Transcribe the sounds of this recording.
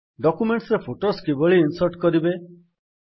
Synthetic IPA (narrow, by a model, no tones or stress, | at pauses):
ɖɔkumeɳʈsɾepʰoʈoskibɔɭiːnsɔɾʈkɔɾibe